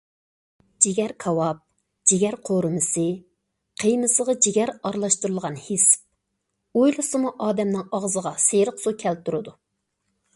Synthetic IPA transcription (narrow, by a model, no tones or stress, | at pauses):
d͡ʒeɡʲɛɾkʰɑwɑp̚ | d͡ʒeɡʲɛɾqʰoɾɨmɨsɨ | qʰejmɨsəʁɑd͡ʒeɡʲɛɾɑɾlˠɑʃt̪uɾulˠʁɑnhɪsp̚ | ojlˠɨsɨmuʔɑːd̪ɛmnɪŋɑʁzəʁɑseɾəqsukʲʰɛlt̪uɾɨd̪u